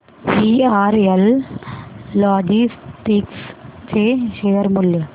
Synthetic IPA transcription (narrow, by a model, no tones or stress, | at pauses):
piaːɾɛl | aːd͡ʒisʈikst͡ʃeːʃeːɐɾmʊlː